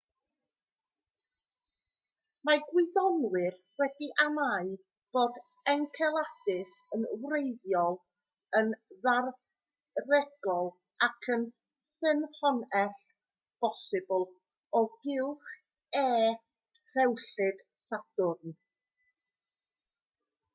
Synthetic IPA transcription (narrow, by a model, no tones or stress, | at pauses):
maɡwɪðɔnwɪr | wɛdiʔamaɨ | b̥oːd | ɛŋkʰɛlˠadɪsənwrejðjɔlˠ | ənðar | rɛɡ̥ɔlˠ | akʰən | sɨnɬɔnɛɬ | b̥ɔsɨbʊlˠ | ɔɡɪlˠχ | ɛː | rɛwɬɨd̥sad̥ʊrn